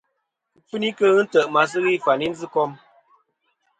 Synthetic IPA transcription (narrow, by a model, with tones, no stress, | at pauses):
fɨ˦ni˦kə˦ɣɨ˦n̩˦tə˨ʔma˨s̬ɨ˦ɣi˦˨fa˨ni˦n̩˦zɨ˦kɔ˦m